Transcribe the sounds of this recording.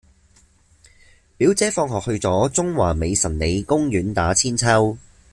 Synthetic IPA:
piː˨˥wt͡sɛː˨˥fɔː˧ŋɦɔː˨˩k̚hɵ˧ɥt͡sɔː˨˥t͡sʊ˥ŋwaː˨˩me˨˧jsɐ˨˩nle˨˧jkʊ˥ŋjyː˨˥nt̪aː˨˥t͡sʰiː˥nt͡sʰɐ˥w

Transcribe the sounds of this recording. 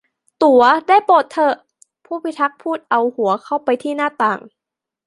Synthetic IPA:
t̪u˩˦ɐdaː˥˩jpoː˨˩t̪ʰːɤ˧˩ʔ | pʰuː˥˩pi˧˥t̪ʰa˦˥k̚pʰuː˥˩t̪̚ʔa˧whu˩˦ɐkʰa˥˩wpa˧jt̪ʰiː˥˩naː˥˩t̪aː˨˩ŋ

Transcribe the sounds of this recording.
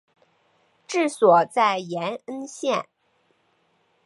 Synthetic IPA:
ʈ͡ʂɻ̩˥˩swɔ˨˩t͡sa˥˩ɪjɛ˧˥nə˥nɕjɛ˥˩n

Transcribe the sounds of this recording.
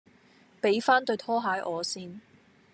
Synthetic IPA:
pe˨˥jfaː˥nt̪ɵ˧ɥt̪ʰɔː˥ɦaː˨˧˥jʔɔː˨˧siː˥n

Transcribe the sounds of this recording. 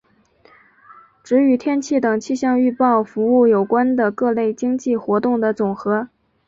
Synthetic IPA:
ʈ͡ʂɻ̩˧˥y˧˥t̪ʰjɛ˥nt͡ɕʰi˥˩t̪ɤ˨˩ŋt͡ɕʰi˥˧ɕjɑ˥˧ŋy˥˧pɑ˥˩ʊfu˧˥u˥˩jo˨˩ʊkwa˥nd̪ə˨kɤ˥˧le˥˩ɪt͡ɕi˥ŋt͡ɕi˥˩xwɔ˧˥t̪ʊ˥˩ŋd̪ə˩t͡sʊ˨˩ŋxɤ˧˥

